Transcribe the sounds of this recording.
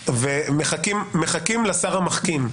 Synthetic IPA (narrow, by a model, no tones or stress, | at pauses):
vemeχakimːeχakimlasaʁamaχkim